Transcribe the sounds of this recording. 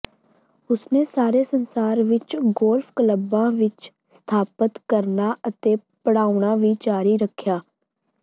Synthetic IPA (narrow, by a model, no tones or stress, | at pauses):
ʊsneːsaːɾeːsənsaːɾʋɪt͡ʃɡoːlfʰkələbãːʋɪt͡ʃ | st̪ʰaːpət̪kəɾnaːət̪eːpəɽaːʊɳaːʋiːt͡ʃaːɾiːɾəkʰːjaː